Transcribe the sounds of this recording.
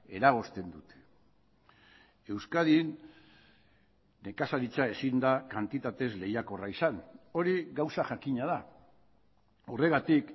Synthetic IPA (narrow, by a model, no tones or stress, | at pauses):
e̞ɾaɣ̞o̞st̪e̞nd̪ut̪e̥ | e̞wskaðin | e̞kasaɾit͡sae̞sind̪akant̪it̪at̪e̞zle̞jako̞raisano̞ɾiɣawsaʝakiɲað̞a | ore̞ɣat̪ik